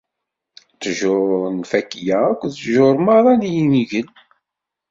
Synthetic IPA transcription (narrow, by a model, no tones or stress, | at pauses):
t͡sːʒʊɾɾˤənfækːjæækʷːðʒoɾˤmɑɾˤɑnijiniʝən